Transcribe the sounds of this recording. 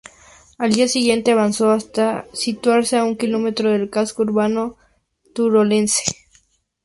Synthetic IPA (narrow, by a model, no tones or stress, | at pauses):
ald̪iasiɣje̞nt̪eaβansoast̪asit̪waɾseauŋkilo̞met̪ɾoðelkaskouɾβano | t̪uɾole̞nse̥